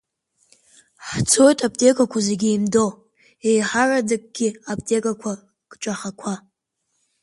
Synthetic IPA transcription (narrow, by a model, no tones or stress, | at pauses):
ħt͡sʰojtʼaptʼe̞kʷʼakʷʰazeɡʲiimdo | ejħaradak̚ʼɡ̥ʲiap̚ʼtʼekʼakʷʰa | kʼt͡ʃʷʼaχakʷʰa